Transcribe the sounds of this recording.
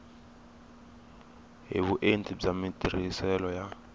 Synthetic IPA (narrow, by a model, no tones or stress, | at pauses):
ɦḛβuʔentʼizamitʼir̤isɛlɔja